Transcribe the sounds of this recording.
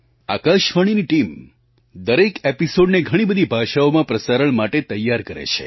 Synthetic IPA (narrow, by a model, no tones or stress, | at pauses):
a̰kaʃʋəɽ̃iniʈim | d̪əɾekepisoɖneɡʱəɽ̃ibəd̪ʱibʱaʃaomãpɾəsaɾəɳmaʈet̪əjːaɾkəɾḛt͡ʃʰḛ